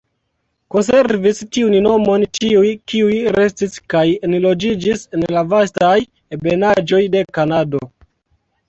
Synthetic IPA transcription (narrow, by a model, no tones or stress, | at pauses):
ko̞ns̬e̞ɾvistiunno̞mo̞nt͡ʃiujkiujɾe̞stiskajenlo̞d͡ʒid͡ʒise̞nlavastaj | ebe̞nad͡ʒo̞jde̞kanado̞